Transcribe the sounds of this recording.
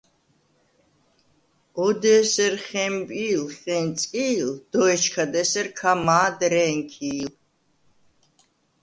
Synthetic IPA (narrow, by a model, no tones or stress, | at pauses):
ɔd̪ɛsɛɾχɛmbʼiːlχɛnt̪t͡s̪ʼkʼiːld̪̥ɔɛt͡ʃkʰad̪ɛsɛɾkʰamaːd̪ɾɛŋkʰiːl